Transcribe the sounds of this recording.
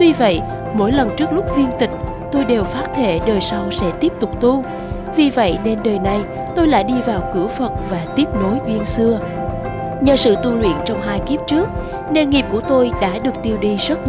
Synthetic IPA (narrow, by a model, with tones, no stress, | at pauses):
t̪wi˧və̰˧˨j | mo̰˧˥jlə˨˩nt͡ɕɨ˦˥ək̚lʊ˦˥k͡p̚vi˧ənt̪ï˨˩ŋ̟ | t̪o˧jɗe˨˩wfaː˦˥t̚t̪ʰe˧˩ɗəː˨˩jsa˧wsɛ̰˧˥t̪i˦˥əp̚t̪ʊ˨˩k͡p̚t̪u˧ | vi˨˩və̰˧˨jne˧nɗəː˨˩jna˨˩j | t̪o˧jla̰ː˧˥jɗi˧vaː˨˩wkɨ˧˩əfə˨˩t̚vaː˨˩t̪i˦˥əp̚no˨˦jɓi˧ənsɨ˧ə | ɲəː˨˩sɨ̰˧˨t̪u˧lwḭ˧˨ənt͡ɕɔ˧wŋ͡mɦaː˧jki˦˥əp̚t͡ɕɨ˦˥ək̚ | ne˧˩nŋi˨˩p̚ku˧˩ət̪o˧jɗa̰ː˧˥ɗɨ˨˩ək̚t̪i˧əwɗi˧zə˦˥t̚